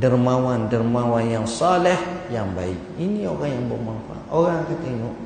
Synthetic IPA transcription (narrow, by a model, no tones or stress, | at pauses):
dərmawandərmawanjaŋsalɛhjaŋbaḭkinioɡajaŋbomaŋfa̰ʔoɡaŋkat̪ano